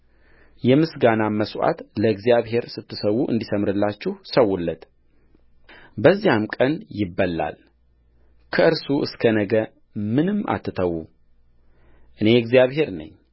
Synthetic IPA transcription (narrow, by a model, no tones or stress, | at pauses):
jɛmɨsɡanaməswa̰t̪ləɨɡzijaβɦe̞ɾsɨt̪ʰːɨsəwːuʔɨ̰nd̪isəmɾɨlːat͡ʃːɪhsəwːulːət̪ | bəzːijamkʼənjɪbːəlːa̰l | kʰəʔɨɾsuʔɨskʰənəɡə | mɨnɨmːa̰t̪ʰːɨt̪ʰəwu | ʔɨne̞ɨɡzjaβɦe̞ɾnə̰ɲː